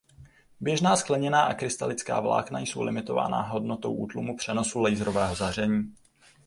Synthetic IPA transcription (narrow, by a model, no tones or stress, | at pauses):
bjɛʒnaːsklɛɲɛnaːʔakɾɪst̪alɪt͡ska̰ːvla̰ːknaijsowlɪ̰mɪt̪o̞va̰ːna̰ɦo̞dnot̪o̞̰wʔuːt̪lumupr̝̥ɛno̞sulɛjzɾo̞vɛːɦo̞zar̝ɛɲiː